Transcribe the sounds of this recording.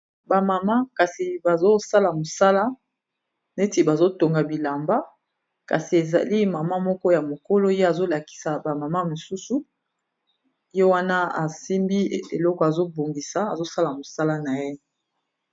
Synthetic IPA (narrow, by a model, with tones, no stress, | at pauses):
ba˨ma˨ma˦ka˨si˨ba˨zo˦sa˦la˨mo˨sa˦la˦ | ne˦ti˨ba˨zo˦to˨ŋɡa˨bi˨la˨mba˦ | ka̰˨si˨e˨za̰˨li˦ma˨ma˦mɔ˦kɔ˦ja˨mo˨ko˦lo˦je˦a˨zo˦la˨ki̥˨sa˨ba˨ma˨ma˦mo˨su˦su˨ | jo˦wa˦na˦a˨si˦mbi˦˨ḛ˨lɔ˦kɔ˨a˨zo˦bo˨ŋɡi˨sa˨a˨zo˦sa˦la˨mo˨sa˦la˦na˨je˦